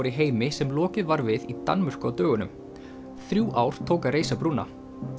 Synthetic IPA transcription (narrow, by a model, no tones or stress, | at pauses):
ɾiɦeːjmɪsɛmlɔːcɪðvaɾvɪðit̪a̰nmœr̥kʏawt̪œːɣʏnʏ̰m | θɾjuːʔaːwɾ̥t̪ʰoːwkaɾeːjsapɾunːa̰